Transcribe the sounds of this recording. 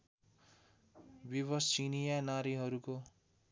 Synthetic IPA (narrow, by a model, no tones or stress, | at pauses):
biβʌst͡ʃinijanaɾiɦʌɾuko